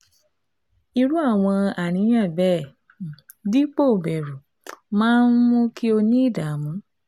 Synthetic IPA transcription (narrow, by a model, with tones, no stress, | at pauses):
i˧ɾu˦a˦˨w̃ɔ̃˧a˨ɾ̃ĩ˨˦j̃ã˦˨bɛː˦˨ | di˦k͡po˦˨bɛ˨ɾu˨ | mãː˦n̩˦mũ˦kʰi˦o˧nĩ˦˨da˨mũ˨˦